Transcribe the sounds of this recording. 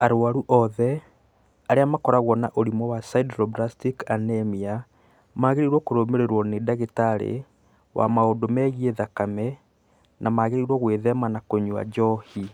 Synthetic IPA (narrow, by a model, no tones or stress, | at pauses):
aɾoaɾuʔɔðɛ | aɾeamakɔɾaɣwɔnaʔoɾimɔwasaidɾɔbɾastikanɛmia | maːɣeɾiɾwɔkoɾomeɾeɾwɔnedaɣetaɾḛ | wʔa̰maodomɛɣieðakamɛ | namaɣeɾiɾwɔɣweðɛmanakoɲua̰d͡ʒɔhi